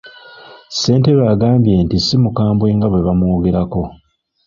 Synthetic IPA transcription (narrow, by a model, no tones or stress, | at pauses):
se̞ːnte̞βaːɡaːmbje̞ːntisimukaːmbwe̞ːŋɡaβwe̞βamwo̞ːɡe̞ɾako̞